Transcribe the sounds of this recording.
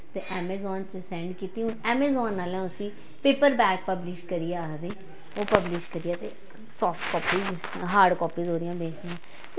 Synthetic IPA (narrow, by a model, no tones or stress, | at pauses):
t̪eːʔɛːmɛːzɔːnt͡ʃəsɛ̃ːɳɖkiːt̪iːɦʊnɛːmeːzɔːnːaːlɛ̃ːʊsĩː | peːpəɾbɛːk̚pəblɪʃkəɾiːaːɦd̪eː | oːpəblɪʃkəɾiːaːt̪eː | sɔːfʈ̪kɔːpiːz | ɦaːɾɖkɔːpiːzɦoːɾɪjãːbeːkʰd̪ɪãː | t̪e